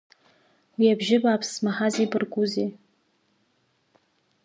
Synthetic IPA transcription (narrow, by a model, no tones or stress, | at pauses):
wiabʒɪbaːpʰsmaħaziːbɨrɡʷuzeː